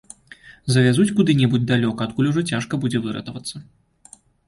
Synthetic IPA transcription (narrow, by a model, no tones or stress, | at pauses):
zɐvʲazut͡sʲkud̪ɨnʲɛbud͡zʲd̪alʲɔkɐːt̪kulʲuʐɔt͡sʲaʂkɐbud͡zʲɛvɨɾɐ̰t̪ɐvɐt̪sːɐ